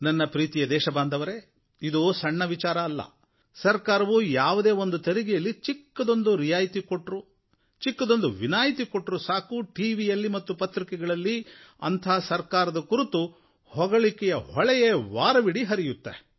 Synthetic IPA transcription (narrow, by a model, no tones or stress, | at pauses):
nɐnːɐpɾiːt̪ijɐd̪ɛːʃɐbaːnd̪ʱɐʋɐɾe | id̪usɐɳːɐʋit͡ʃaːɾɐːlːɐ̰ | sɐɾkaːɾɐʋujaːʋud̪e̞ːo̞nd̪ut̪eɾiɡijɐlːit͡ʃikːɐd̪o̞nd̪uɾijaːjit̪ikoʈɾu | t͡ʃikːɐd̪o̞nd̪uʋinaːjit̪ikoʈɾusaːkuʈiːʋijɐlːimɐt̪ːupɐt̪ɾikɛɡɐɭɐlːiɐ̰nt̪ʰaːsɐɾkaːɾɐd̪ɐkuɾut̪u | hɔɡɐɭikɛjɐhɔɭɛjeʋaːɾɐʋiɽiɦɐɾijut̪ːḛ